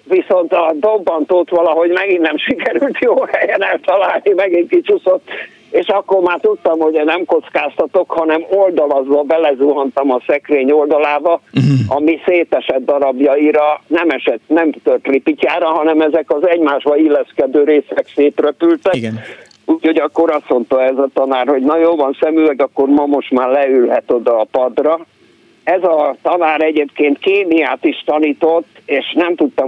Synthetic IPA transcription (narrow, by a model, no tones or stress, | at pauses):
viso̞nt̪ɒd̪obːɒnt̪oːt̪ʋɒlɒɦo̞ɟmɛɡinːɛmʃikɛɾylt̪joːhɛjɛnɛlt̪ɒlaːlnimɛɡiŋkit͡ʃuso̞t̪ː | eːʃɒkːormaːt̪ut̪ːɒmho̞ɟnɛmko̞t̪skaːst̪ɒt̪o̞khɒnɛmo̞ld̪ɒlɒzɒbɛlɛzuɦɒnt̪ɒmɒsɛkreːɲo̞ld̪ɒlaːbɒɒmiseːt̪ɛʃɛd̪d̪ɒɾɒbjɒiɾɒnɛmɛʃɛt̪ːnɛmt̪ølt̪ripicaːɾɒɦɒnɛmɛzɛkɒzɛɟmaːʒbɒilːɛskɛd̪øːɾeːsɛkseːt̪røpylt̪ɛk | uːcho̞ɟɒkːo̞ɾɒsmo̞nt̪oɛzɒt̪ɒnaːrho̞ɟnɒjoːlvɒnsɛmyɛɡɒkːormɒmo̞ʃt̪maːrlɛylɦɛt̪o̞d̪ɒːpɒd̪rɒ | ɛzɒt̪ɒnaːɾɛɟeːpkeːnt̪keːmijaːt̪iʃt̪ɒniːt̪o̞t̪ːeːʃnɛmt̪ut̪ːɒ